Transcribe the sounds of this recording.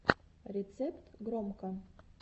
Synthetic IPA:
ɾʲet̪sɛpt̪ɡɾomkə

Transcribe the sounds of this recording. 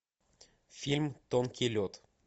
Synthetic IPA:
fʲilʲmt̪onkʲʰilʲot̪

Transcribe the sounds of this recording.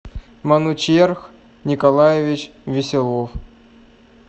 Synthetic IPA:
mɑnut͡ɕjerx | nʲikolˠajevʲit͡ɕ | vʲɪsʲɪlˠof

